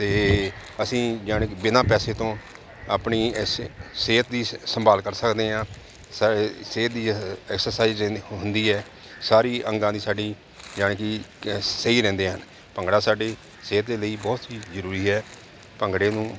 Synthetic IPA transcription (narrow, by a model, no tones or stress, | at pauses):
t̪eː | əsĩːd͡ʒaːɳkbɪnaːpɛːseːt̪õː | a̰ːpɳiː | seːt̪̚d̪iːsəmbaːlkəɾsəkd̪eːɦãː | sseːt̪̚d̪iːɛːksəɾsaːizɦʊnd̪iːɛː | saːɾiːʔəŋɡãːd̪iːsaːɖiː | d͡ʒaːɳkiseiːɾɛ̃ːnd̪eːɦən | pəŋɡɽaːsaːɖeː | seːt̪̚d̪eːləiːbɔːt̪ɦiːzəɾuːɾiːɦɛː | pəŋɡɽeːnũː